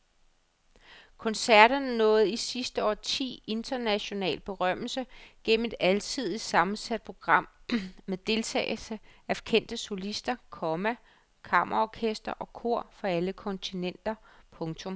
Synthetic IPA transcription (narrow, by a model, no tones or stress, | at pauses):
kʰɒ̽nsæɐɾ̥ɐnnɔ̽ːð̞̩ˠisisd̥əɒ̰ːt͡sʰḭːe̝nd̥ɐnæɕo̝nɛ̰ːld̥̚b̥e̝ʁɶm̰l̩səɡ̥en̰m̩e̝d̥ælt͡sʰið̞̰ˠisɑ̈mn̩sæd̥̚pʰʁo̝ɡ̥ʁɑ̈m̰ːeðd̥e̝lt͡sʰɛ̰ːɪl̩səæfkʰen̰d̥əso̝lisd̥ɐkʰɒ̽mæ | kʰɑ̈mʔɐʁɒkʰesd̥ɐʔɒ̽kʰo̝ɐ̰fɒ̽æləkʰɒ̽nt͡sʰinen̰d̥ɐpʰɔ̽ŋt͡sʰɔ̽m